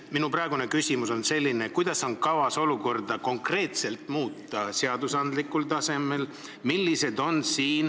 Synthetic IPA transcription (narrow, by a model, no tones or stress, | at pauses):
minuprɑeɡune̞kysʲimuso̞nse̞lʲːinekujd̪̥ɑso̞nkɑvɑso̞luko̞rd̪ɑko̞ŋkre̞ːt̪se̞lt̪ˑmuːt̪ˑːɑseɑd̪usɑnd̪likːult̪ɑse̞me̞l | milʲːise̞d̪o̞nsiːn